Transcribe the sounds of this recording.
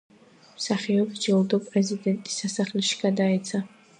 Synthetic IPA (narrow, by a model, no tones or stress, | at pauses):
msaχiɔbd͡ʒɛlˠd̪ɔpʼrezid̪ɛnt̪ʼi̥sasaχliʃɡad̪ait͡sʰa